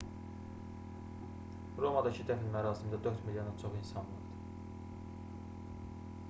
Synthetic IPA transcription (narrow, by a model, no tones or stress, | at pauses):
ɾo̞mɑd̪ɑcʰid̪æfinmæɾɑːsimnd̪æd̪ø̞ɾt̪miljonɑt͡ʃʰo̞χinsɑnvɑɾd̪ɯɾ